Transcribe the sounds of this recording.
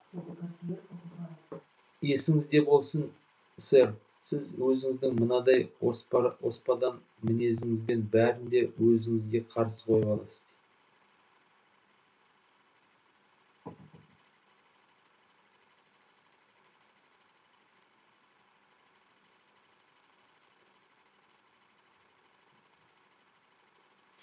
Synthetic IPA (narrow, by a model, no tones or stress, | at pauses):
je̞sɪŋɪzd̪e̞bo̞lˠsən | seɾ | sɪzwɵzɪŋɪzd̪ɪŋmənɑd̪ɑjospwo̞̰spɑd̪ɑn | mɪne̞s̬ɪŋɪzbe̞nbæɾɪnd̪e̞wɵzɪŋɪzɡʲe̞qʰɑɾsə̥qʰo̞jəbɑlˠɑ̰səz